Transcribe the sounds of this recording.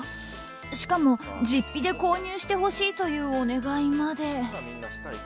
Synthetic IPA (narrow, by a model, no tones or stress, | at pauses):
ɕi̥kamo̞d͡ʑipʲːid̪e̞ko̞ːɲ̟ɨːɕi̥t̪e̞ho̞ɕiːt̪o̞jɯ̟ːone̞ɡaimad̪e̞